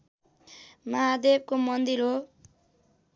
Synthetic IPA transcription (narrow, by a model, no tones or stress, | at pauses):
mʌɦad̪eb̚komʌnd̪iɾɦo